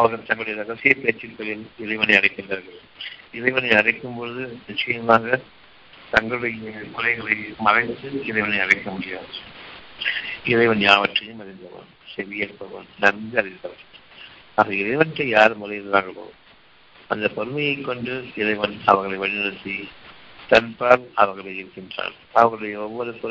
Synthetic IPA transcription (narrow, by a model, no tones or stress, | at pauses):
ɐʋɐɣɐɾt̪ɐŋɡɐɭɯɽɐjɐɾɐɣɐsɪjɐɪpeːt͡ʃːɪpːɐjɪlɪɾɐɪʋɐnɐɪɐɽɐɪkːɪndrɐɾɣɐɾ | ɪɾɐɪʋɐnɐɪɐɽɐɪkːɯmpɔɻɯðɯnɪt͡ʃːɐjɐmaːɣɐ | t̪ɐŋɡɐɭɯɽɐjɐkʊlɐɪɣɐɭɐɪmɐɾɐɪt̪ːɯɪɾɐɪʋɐnɐɪɐɽɐɪkːɐmʊɽɪjaːðɐ | ɪɾɐɪʋɐnjaːʋɐʈrɐjɐmɐɾɪnd̪ɐʋɐ̰ːnsɛʋɪjɐɾpːɐʋɐ̰nnɐɾmd̪ɯɐɾɪt̪ːɐʋɐ̰ | aːɣɐɪɾɐɪʋɐnt̪ːɐɪjaːɾmɐɾɐjɪɾɯnd̪aːŋɡɐpo̰ː | ɐnd̪ɐpɔɾɯmɐjɐɪkːɔɳɖɯɪɾɐɪʋɐnɐʋɐɾɣɐɭɐɪʋɐɻɪnɐɾɯt̪ːi | t̪ɐnpaːɾɐʋɐɾɣɐɭɐɪɪɾɯkːɪndra̰ːl | ɐʋɐɾɣɐɭɯɽɐjɐɔʋːɔɾɯpɔ